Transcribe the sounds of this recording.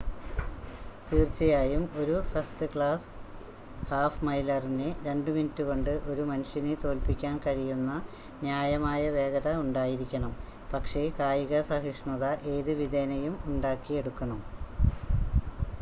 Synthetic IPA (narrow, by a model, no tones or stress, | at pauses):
t̪iːrt͡ɕɐjaːjumo̞ɾufɐstɨkɭaːs | haːfmɐjlɐrineɾe̞ɳɖɨminitːuɣo̞ɳɖɨʔo̞ɾumɐnuʂjɐnet̪oːlpikʲːaːnkɐɻijunːɐ | njaːjɐmaːjɐʋeːɣɐðɐuɳɖaːjiɾikʲːɐɳɐm | pɐkʂe̞kaːjiɣɐsɐɦiʂɳɐðɐʔe̞ːðɨʋiðeːnɐjumuɳɖaːkːije̞ɽukːɐɳɐm